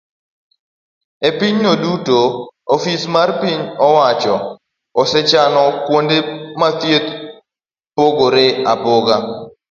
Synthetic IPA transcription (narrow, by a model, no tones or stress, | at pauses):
epiɲnodutoofismarpiɲɔwat͡ʃɔ | ɔsɛt͡ʃanɔkwondemat̪jet̪ | poɡoɾeapoɡa